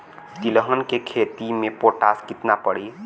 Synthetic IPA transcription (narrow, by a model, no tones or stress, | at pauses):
t̪iləɦənkekʰet̪imepoʈaskit̪napəɽi